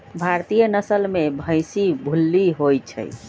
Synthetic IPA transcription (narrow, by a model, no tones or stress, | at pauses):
bʱaɾt̪ijənəsəlmebʱə̃jsibʱulːiɦojt͡ʃʰə̰j